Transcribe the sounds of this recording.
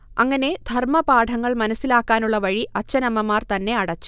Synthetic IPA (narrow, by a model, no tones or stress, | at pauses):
ɐŋːɐne̞d̪ʱɐrmɐbaːʈʰɐŋːɐɭmɐnɐsilaːkːaːnuɭːɐʋɐɻiʔɐt͡ɕːɐnɐmɐmaːrt̪ɐnːe̞ɐɽɐt͡ɕːu̥